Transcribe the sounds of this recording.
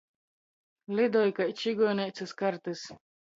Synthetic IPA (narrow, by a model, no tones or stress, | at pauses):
lʲid̪ɔjkajt͡ʃiɡɔːnʲɛjt̪sɨskaɾt̪ɨs